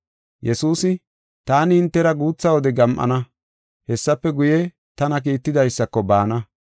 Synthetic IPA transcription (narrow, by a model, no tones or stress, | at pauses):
jɛsuːsɪ | t̪aːnɪɪnt̪ːɛɾɐɡuːt͡sːɐwɔd̪ɛɡɐmʔɐ̰nɐ | hɛsːɐpːɛɡʊje | t̪ɐnɐk̬iːt̪ːɪd̪ɐjsːɐkːɔbaːnɐ